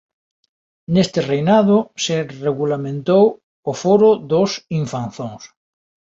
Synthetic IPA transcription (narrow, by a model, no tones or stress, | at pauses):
nest̪ɪrejnað̞ʊsereɣulamẽnt̪ow | ofoɾoðosiɱfanθõŋs